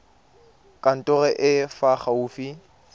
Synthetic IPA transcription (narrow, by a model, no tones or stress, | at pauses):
kʼan̩tʼʊɣɛʔɪfaχauːfi